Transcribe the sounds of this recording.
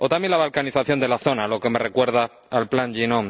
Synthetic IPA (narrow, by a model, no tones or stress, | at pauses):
o̞t̪amje̞nlaβalkaniθaθjo̞nd̪elaθo̞nalo̞ke̞me̞re̞kwe̞ɾðaː | lplanʎinõŋ